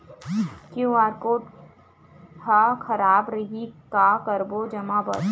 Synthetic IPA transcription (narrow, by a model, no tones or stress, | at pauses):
kjoaːɾkoːʈ | hakʰɐɾaːbɾɐɦikakəɾbod͡ʒɐmabɐ̰ɾ